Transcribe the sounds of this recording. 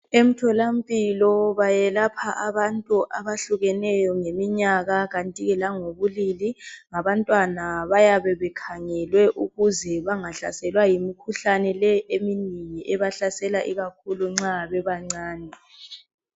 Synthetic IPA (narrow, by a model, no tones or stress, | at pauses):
em̩tʰɔlam̩pʼilɔβajɛlapʰaʔaβantʼuʔaβaɬuɣɛnɛjɔŋemiɲaɣaɣantʼiɣɛlaŋoβuliliŋaβantʼwanaβajaβɛβɛkʰaŋɛlwɛʔuɣuzɛβaŋaɬa̰sɛlwajimikʰuɬanɛlɛeminiŋiʔɛβaɬasɛlaʔiɣakʰuluŋ͡ǀaβɛβaŋ͡ǀaːnɛ